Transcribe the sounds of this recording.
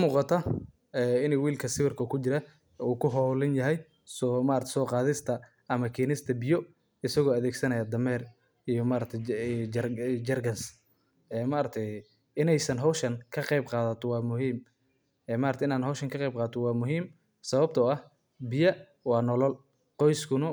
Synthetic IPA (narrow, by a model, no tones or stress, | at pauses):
muːqɑt̪ʰɐ | ɛːɪnɛjwiːlkʰɐsɪβɪrkʰɐkʰʊt͡ʃɪɾɐ | uːkʰʊɦɔwlɪnjɐɦɛj | sɔmaːɾɐt̪ʰɛ̥sɔːqɑːðɪst̪ʰɐ | ʔɐmɐkʰiːnɪst̪ʰɐbɪjɔ | ɪsɐɣɔːɐðɛːɡsɐnɐjad̪ɐmɛːr | ijɔmaːɾɐk̚t̪ʰɛ | d͡ʒɐrɡɐns | ɛːmaːɾɐk̚t̪ʰɛj | ɪnɛjsɐnɦɔwʃɐŋkʰɐqɛjbqɑːðɐt̪ʰɔwɑːmʊɦiːm | ɛmaːɾɐt̪ʰɛɪnaːnɦɔwʃɐŋkʰɐqɛjb̚qɑːt̪ʰɔwɑːmʊɦiːm | sɐβɐb̚t̪ʰɔɐh | bɪjɐ | wɑːnɔlɔl | qɔjskʰʊnɐ